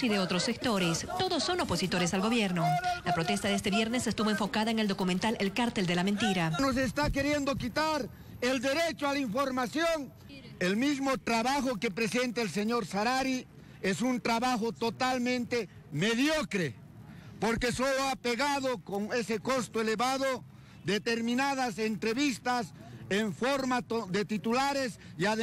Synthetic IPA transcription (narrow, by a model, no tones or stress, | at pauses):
siðeot̪ɾosek̚t̪o̞ɾest̪o̞ðosːo̞no̞po̞sit̪o̞ɾesalɣo̞βjeɾnolapɾot̪est̪aðes̬t̪e̞βjeɾne̞sest̪uβoeɱfo̞kaðaeŋe̞ld̪o̞kumẽnt̪alelkaɾt̪eld̪e̞lament̪iɾanos̬est̪ake̞ɾjend̪okit̪aɾ | eld̪eɾet͡ʃoalaiɱfo̞ɾmasjo̞ŋ | elmizmot̪ɾaβaxo̞kepɾesent̪aelseɲo̞ɾsaɾaɾi | esunt̪ɾaβaxot̪ot̪almẽnt̪e | meðjokɾe | poɾkesoloapeɣaðokoŋe̞seko̞st̪oeleβaðo | d̪et̪eɾmĩnað̞asent̪ɾeβist̪aseɱfoɾmaoðet̪it̪ulaɾes | iaðe